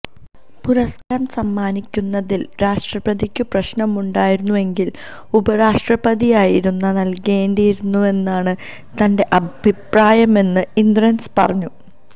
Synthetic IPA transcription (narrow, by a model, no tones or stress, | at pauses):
puɾɐskɐɾɐmsɐmːaːnikʲːunːɐðilɾaːʂʈrɐbɐðikʲːɨprɐɕnɐmuɳɖaːjiɾunːue̞ŋɡil | ubɐɾaːʂʈrɐbɐðijaːjiɾunːɐnɐlke̞ːɳɖijiɾunːue̞nːaːɳɨ | t̪ɐnde̞ʔɐbʱipraːjɐme̞nːɨind̪rɐnspɐrɐɲːu